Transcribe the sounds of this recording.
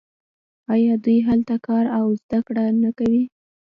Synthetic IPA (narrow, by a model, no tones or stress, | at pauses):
ɑjɑd̪ujɦalt̪akɑɾawzd̪akɽanakawi